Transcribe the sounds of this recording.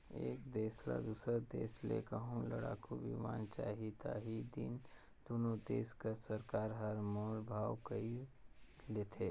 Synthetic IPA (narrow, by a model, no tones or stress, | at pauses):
eːkd̪eːsla̰d̪uːsəɾd̪eːslḛkəɦũlɐ̰ɽa̰ːkubḭʋa̰ːnt͡ʃaːɦit̪aːɦid̪in | d̪̥onod̪eːskɐsɐɾkaːɾɦɐɾmoːlbʱaːwkɐi | leːt̪ʰeː